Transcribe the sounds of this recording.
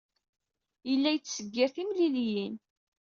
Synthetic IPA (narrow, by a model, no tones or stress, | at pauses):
jəlːæjət͡sːsəɡːɪɾθimliljin